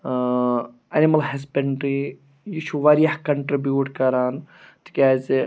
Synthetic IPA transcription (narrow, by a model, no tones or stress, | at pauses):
ɐnimɐlɦɐsbeɳɖɾi | jiʃʰuʋɐɾijɐhkɐɳʈɾibjuːʈkɐɾaːn | t̪i̥kʲaːzi